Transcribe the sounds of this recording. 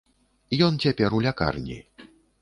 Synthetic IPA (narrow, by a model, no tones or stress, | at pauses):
jɔnt͡sʲapʲɛɾulʲaka̰rnʲḭ